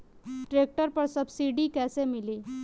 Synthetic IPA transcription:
ʈɾek̚ʈəɾpəɾsəbsiɖiːkɛsemiliː

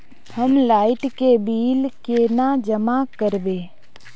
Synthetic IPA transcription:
həmlaːɪʈkebiːlkenad͡ʒəmakəɾbeː

